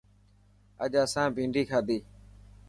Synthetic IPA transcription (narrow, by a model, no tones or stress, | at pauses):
əʄaːsãːbʱĩːɳɖʱiːkʰaːd̪iː